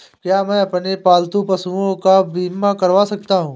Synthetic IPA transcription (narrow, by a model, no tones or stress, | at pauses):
kjaːmɛ̃ːɐpnepaːlt̪ũpɐsuõkabiːmːakɐɾʋasɐk̚t̪aɦũː